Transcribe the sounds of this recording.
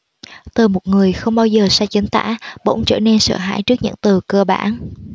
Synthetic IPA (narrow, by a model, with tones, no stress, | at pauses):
t̪ɨː˨˩mo˨˩t̚ŋɨ˨˩əjxə˧wŋ͡mɓaː˧wzəː˨˩saː˧t͡ɕə˨˦ŋt̪a̰ː˧˥ɓo̰˧˥wŋ͡mt͡ɕə̰ː˧˨˩ne˧nsə̰ː˧˩ɦa̰ː˧˥˨jt͡ɕɨ˦˥ək̚ɲɨ̰˧˥ŋt̪ɨ˨˩kəː˧ɓa̰ː˧˩n